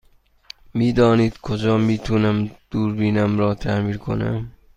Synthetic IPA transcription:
miːd̪ɒːniːd̪̥kʰod͡ʒɒːmiːt̪ʰunæmd̪̥uːɾbiːnæmɾɒːt̪ʰæmiːɾkʰo̰næ̰m

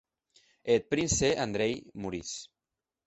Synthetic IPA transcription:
et̪̚pɾinseʔand̪ɾejmuɾis

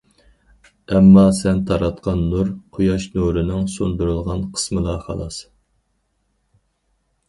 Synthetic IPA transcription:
ɛmːɑsɛnt̪ʰɑɾɑt̪̚qʰɑnːuɾqʰojɑʃnuɾɨnɨŋsond̪uɾulˠʁɑnqʰə̥smɨlˠɑχɑ̰lˠɑs

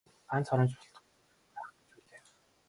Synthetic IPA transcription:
pant͡sʰɔɾɞ̆ːnt͡ɕʊɬt̪ɞ̥̆ | pæːχt͡ɕuɮeː

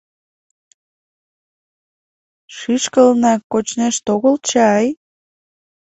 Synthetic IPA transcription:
ʃiʃkəlnɑkot͡ɕneʃt̪oɣəlt͡ɕeɑj

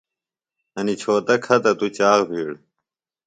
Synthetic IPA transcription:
ɐnit͡ɕʰoːt̪ɐkʰɐt̪ɐt̪ut͡ɕaːɣbʱiːɽ

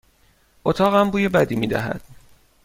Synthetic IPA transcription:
ʔot̪ʰɒːɣæmbuːjebæd̪iːmiːd̪æ̰ɦæ̰d̪̥

